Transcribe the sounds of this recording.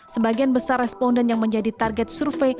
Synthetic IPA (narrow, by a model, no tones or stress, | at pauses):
səbaɡianbəsarːɛspɔndɛnjaŋməɲd͡ʒadit̪arɡɛt̪̚surfe